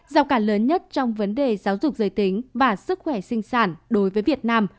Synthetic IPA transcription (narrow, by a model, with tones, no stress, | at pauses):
zaː˨˧˩wkaː˧˩ləː˨˦nɲə˦˥t̚t͡ɕɔ˧wŋ͡mvə˨˦nɗe˨˩zaː˨˦wzʊ˨˩k͡p̚zəː˧˨˩jt̪ï˨˦ŋ̟vaː˨˩sɨ˦˥k̚xwɛ˧˩sï˧ŋ̟saː˧˩nɗo˨˦jvəː˨˦jvi˨˩ət̚naː˧m